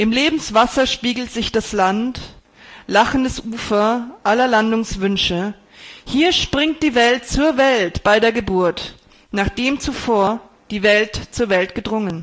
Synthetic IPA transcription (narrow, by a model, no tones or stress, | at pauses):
ʔɪmleːbm̩sv̥asɐʃpiːɡl̩tz̥ɪçd̥aslant | laχən̩dəsʔuːfɐʔalɐlandʊŋsv̥ʏnʃə | hiːɐʃpʁ̥ɪŋt̚d̥iːvɛlt̚t͡suːɐvɛltb̥aɪdeːɐɡəbʊɐt | naːχd̥eːmt͡sufoːɐ | d̥iːvɛltt͡suːɐvɛltɡ̥ədʁʊŋən